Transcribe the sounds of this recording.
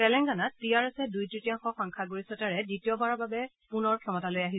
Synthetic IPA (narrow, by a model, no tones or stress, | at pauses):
ɛlɛŋɡanatːijaɹɛsɛdujtɹitijaŋxɔxɔŋkʰaɡoɹisɔtaɹɛditiɔbaɹababɛ | punɔɹkʰɛmɔtalojaɦi